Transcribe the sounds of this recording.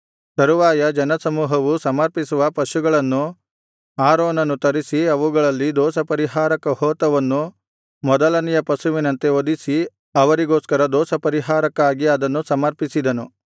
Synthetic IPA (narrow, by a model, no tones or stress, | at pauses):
sɐɾuʋaːjɐd͡ʒɐnɐsɐmuːɦɐʋusɐmɐɾpisuʋɐpɐʃuɡɐɭɐnːu | aːɾoːnɐnːut̪ɐɾisiɐʋuɡɐɭɐlːid̪ɔːsɐpɐɾiɦaːɾɐkɐhɔːt̪ɐʋɐnːu | mɔd̪ɐlɐnijɐpɐʃuʋinɐnt̪e̞od̪isi | ɐʋɐɾiɡoːskɐɾɐd̪ɔːsɐpɐɾiɦaːɾɐkaːɡiɐd̪ɐnːusɐmɐɾpisid̪ɐnu